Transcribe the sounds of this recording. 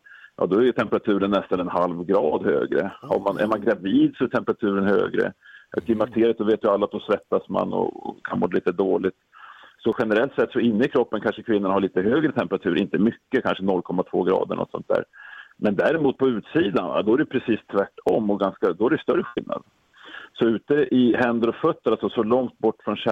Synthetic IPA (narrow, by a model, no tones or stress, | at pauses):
jʔɑ̰ːd̪ɔæɾjɵt̪ʰɛmpəɾat̪ʰʉ̟ːɾənːɛst̪anɛnhalvɡɾɑːd̪hø̰ːɡɾə̰ha̰ɾmanʔæ̰ɾmanɡɾaviːd̪sɔɛʈʰɛmpəɾat̪ʰʉ̟ːɾənhø̰ːɡɾə̰kʰlɪmak̚t̪ʰeːɾɪət̪sɔveːt̪jʏalːat̪̚d̪ɔsɾɛt̪ːasma̰nɔ̰kʰanmoːɾaliːt̪əd̪oːɭɪt̪sɔɧɛnəɾɛlt̪sɛt̪ːsɔɪnːəɪkʰɾɔpːənkʰanʂəkʰvɪnːʊnɳahaɭiːt̪əɦøːɡɾət̪ʰɛmpəɾat̪ʰʉ̟ːɾʔɪnt̪əmʏkːəkʰanʂənɔlːkʰɔmːat̪ʰv̥o̰ːɡɾɑ̰ːd̪ə̰ɳʔɔ̰t̪sɔ̰nt̪̚d̪æ̰ːɾmɛnd̪æɾɪmuːt̪̚pʰɔʉ̟ːt̪siːd̪anva̰d̪ɔæɾɛjpʰɾɛsiːst̪ʰvæʈːɔmːɔɡanskad̪ɔhæɖɛjʉst̪œɾəɧɪlna̰d̪ | sɔʉ̟ːt̪əʔɪɦɛnd̪əɾɔfœt̪ːəɾalsɔsɔlɔŋt̪̚bɔʈːfɾɔnɕɛ